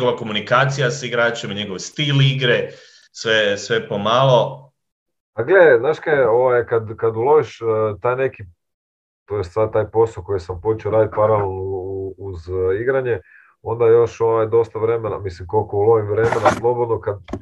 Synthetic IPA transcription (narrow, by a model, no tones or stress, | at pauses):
ɡoʋako̞munikaːt̪sijasiɡɾaːt͡ʃemɲeɡo̞ʋst̪iːliɡɾe | sʋesʋepomaːlo̞ | paɡleeznaːʃkaeo̞ʋajkad̪kad̪ulˠo̞ʋiʃt̪aːjne̞ki | t̪o̞jest̪saːd̪̚t̪aːjpo̞soko̞jesampot͡ʃeoɾaːd̪it̪̚paɾalelnouuziɡɾaɲe̞ | o̞nd̪ajo̞ʃo̞ʋajd̪o̞st̪aʋɾe̞mena̰mislimko̞lko̞ulo̞ʋimʋɾe̞me̞naslˠo̞bo̞d̪no̞kad̪̚